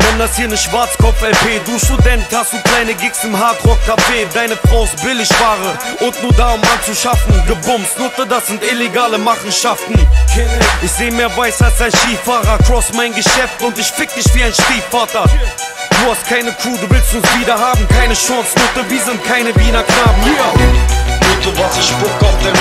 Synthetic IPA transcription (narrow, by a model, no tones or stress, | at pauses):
vɛndashiːɐnəʃv̥aɐt͡skʰɔpp͡fɛlpʰeːduːstudɛnthastd̥uːkl̥aɪnəɡɪksɪmɦaːtʁɔk̚kʰːafeːdaɪnəfʁ̥aʊɪstbɪlɪçv̥aːʁəʔʊntnuːɐdaːʊmʔant͡suʃafn̩ɡəbʊmsnʊtədasz̥ɪntɪleɡaːləmaχn̩ʃaftn̩ | ɪçz̥eːmɛːɐvaɪsasaɪnʃiːfaːʁɐkʁɔsmaɪnɡəʃɛftʊntɪçfɪk̚d̥ɪçviːaɪnʃtiːfaːtɐ | d̥uːhast̚kʰaɪnəkʰuːduːvɪlstʊnsviːdɐɦaːbm̩kʰaɪnəʃɔ̃ːsnʊtəviːzəntkʰaɪnəviːnɐkʰnaːbm̩iː | ʊduvasɪʃpʊk̚ɔftə